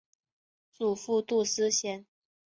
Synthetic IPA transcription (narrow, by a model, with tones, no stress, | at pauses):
t͡su˨˩fu˥˧t̪u˥˩sɹ̩˥ɕjɛ˥n